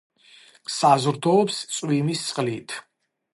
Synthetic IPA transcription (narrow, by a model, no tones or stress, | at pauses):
sazɾt̪ʰɔːpst̪sʼwimist̪sʼχʼliːt̪ʰ